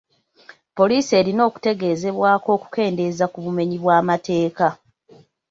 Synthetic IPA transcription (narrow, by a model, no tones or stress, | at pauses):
po̞liːsie̞ːɾino̞ːku̥te̞ɡe̞ːze̞βwaːko̞ːku̥ke̞ːnde̞zakuβume̞ɲiβwaːmate̞ːka